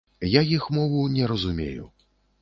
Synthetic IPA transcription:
jajixmɔvunʲɛɾɐzumʲḛjṵ

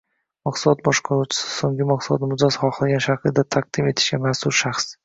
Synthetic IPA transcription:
mɑqslˠɒt̪̚bɒʃqʰɒɾut͡ʃʰɪ̥sɪ̥soŋɡʲɪmaqsʊlˠɒt̪mʊd̪asχɒqɨlˠɡʲanʃaɾqʰɨd̪at̪ʰaq̚d̪̥ɪme̞t̪ʰɪ̥ʃɡʲamasʊɾʃaχs

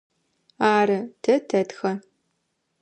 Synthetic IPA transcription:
aːɾɐtʰɐtʰɐtxɐ

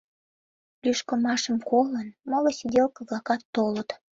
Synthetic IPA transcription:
lʲyʃkəmɑʃəmkolənmolosʲid̪ʲelkɤ̆ɣɑkɑt̪ːolət̪

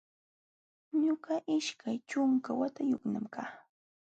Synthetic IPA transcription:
ɲʊɢɑʔɪʃkajt͡ʃʊŋkawat̪ajʊknamkaː

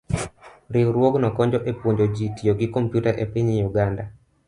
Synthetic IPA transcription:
ɾɪwɾwoɡnɔkɔɲd͡ʒɔʔepwoɲd͡ʒod͡ʒitioɡɪkompjutaʔepiɲijuɡanda

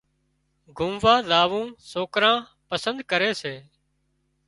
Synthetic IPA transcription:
ɡʱʊmʋaːzaːʋũːsoːkɾãː | pəsənd̪kəɾeːseː

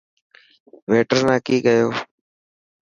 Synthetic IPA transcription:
ʋeːʈəɾnãːkiːkəjoː

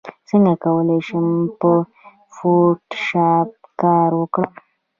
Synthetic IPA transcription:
səŋɡakawəleʃəmpə | fuʈʃap̚kaɾwəkɽəm

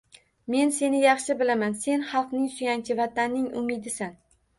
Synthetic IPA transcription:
me̞nse̞nɪjɑχʃɪbɪlamanse̞nhɑlˠqnɪŋsʊjant͡ʃʲʰɪvat̪ʰanːɪŋʊ̰mɪd̪ɪsan

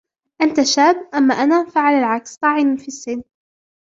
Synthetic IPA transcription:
ʔant̪aʃaːbʔamːaʔanaːfaʕalalʕakst̪ˤɑːʕɪnifisːɪn

